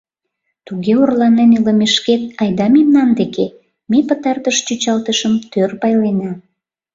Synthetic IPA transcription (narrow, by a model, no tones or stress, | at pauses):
t̪uɣeorlɑneneləmeʃket̪̚ɑjd̪ɑmemnɑnd̪eke | mepət̪ɑrt̪əʃt͡ɕyt͡ɕɑlt̪əʃəmt̪ørpɑjlenɑ